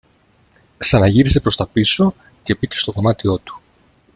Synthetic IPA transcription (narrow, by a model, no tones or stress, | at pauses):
ksɐnɐʝiɾise̞pɾo̞st̪ɐpiso̞ | ce̞pice̞st̪o̞ko̞mɐt̪io̞t̪u̥